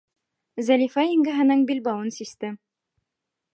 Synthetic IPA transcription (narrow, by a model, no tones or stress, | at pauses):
zælʲifaiŋɡɘ̆ɦɘ̆nɤɴbilʲbɑwɤnsist̪ɘ